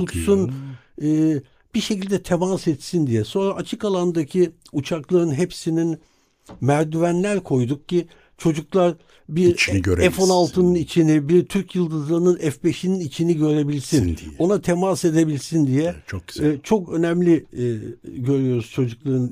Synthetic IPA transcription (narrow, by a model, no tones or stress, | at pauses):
t̪ut̪sun | ɯː | b̥iɾʃe̞cilʲd̪ɛt̪ʰemasɛt̪sind̪ijɛso̞nɾaːt͡ʃʰɯkalˠand̪acʰiut͡ʃʰaklˠaɾɯnɦepsinin | mæɾd̪yvænlʲæɾkʰo̞jd̪uk̚ci | t͡ʃʰo̞d͡ʒuklˠaɾ | biɾt͡ʃ̪ɟøɾɛfonalˠt̪ʰɯnɯnit͡ʃʰinibiɾt̪ʰyɾcjɯlˠd̪ɯzlˠaɯnɯnɛfbeʃininit͡ʃʰiniɟø̞ɾe̞bilʲsino̞nat̪ʰemase̞d̪e̞bilʲsind̪ijɛt͡ʃʰo̥t͡ʃʰo̞kø̞nɛmlʲi | ɟø̞ɾyjo̞ɾuz̥t͡ʃʰo̞d͡ʒuklˠaɾɯn